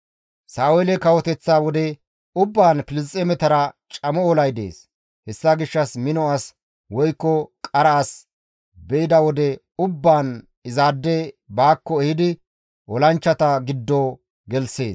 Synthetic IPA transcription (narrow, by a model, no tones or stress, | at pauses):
saːwɛːlɛkɐwɔt̪ɛt͡sːaːwɔd̪ɛ | ʊbːaːnpɪlɪstʼːemɛt̪ɐɾɐt͡ʃʼɐmɔɔlɐjd̪ḛːs | hɛsːaɡɪʃːɐsmɪnɔas | wɔjkːɔkʼɐɾɐːs | bɛɪd̪ɐwɔd̪ɛ | ʊbːaːn | ɪzaːd̪ːɛbaːkːɔɛhɪd̪ɪ | ʔɔlɐnt͡ʃːɐt̪ɐɡɪd̪ːoː | ɡɛlse̞ːs